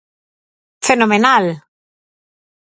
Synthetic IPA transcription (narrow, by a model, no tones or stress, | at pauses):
fenomenal